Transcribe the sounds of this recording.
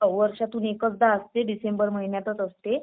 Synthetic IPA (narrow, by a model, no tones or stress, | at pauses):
əʋəɾʂat̪unekət͡sd̪aəst̪eɖisembəɾməɦinjat̪ət͡səst̪e